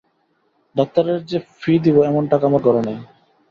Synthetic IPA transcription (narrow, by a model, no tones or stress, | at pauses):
d̪ɔk̚t̪aɾeɾd͡ʑefʰid̪iboɛmonʈakamaɾɡɔɾonej